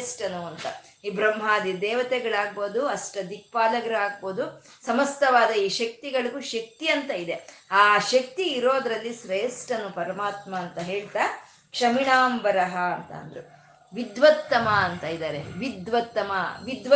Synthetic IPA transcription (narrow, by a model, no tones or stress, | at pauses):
sʈɐnuɐnt̪ɐ | iːbɾɐmɦaːd̪id̪ɛːʋɐt̪ɛɡɐɭaːɡ̚boːd̪uɐsʈɐd̪ik̚paːlɐɡɐɾɐaːɡ̚boːd̪u | sɐmɐst̪ɐʋaːd̪ɐiːʃɐk̚t̪iɡɐɭɐɡuʃɐk̚t̪iɐnt̪ɐid̪e̞aːʃɐk̚t̪iːɾo̞ːd̪ɾɐlːisɾeːsʈɐnːupɐɾɐmaːt̪mɐːnt̪ɐɦeːɭt̪aː | kʂɐmiɳaːmbɐɾɐɦɐɐnt̪ɐ̰ːnd̪ɐɾu | ʋid̪ʋɐt̪ːɐmɐːnt̪ɐid̪aːɾeʋid̪ʋɐt̪ːɐmɐʋid̪ʋ